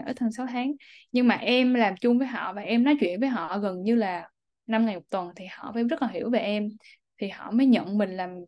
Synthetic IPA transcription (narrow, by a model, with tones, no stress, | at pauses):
ʔəː˨˦t̪ʰə˨˩ŋsa˨˦wt̪ʰaː˨˦ŋɲɨ˧ŋmaː˨˩ʔɛ˧mlaː˨˩mt͡ɕʊ˧ŋ͡mvəː˨˦jɦɔ̰˧˨vaː˨˩ʔɛ˧mnɔ˨˦t͡ɕwḭ˧˨ənvəː˨˦jɦɔ̰˧˨ɣə˨˩nɲɨ˧laː˨˩ | na˧mŋa˨˩jmʊ˨˩k͡p̚t̪wə˨˩nt̪ʰi˨˩hɔ̰˧˨faː˧˦zə˦˥laː˨˩i˧˩əwve˨˩ʔɛ˧m | t̪ʰi˨˩hɔ̰˧˨məː˨˦jɲə̰˧˨nmï˨˩ŋ̟laː˨˩m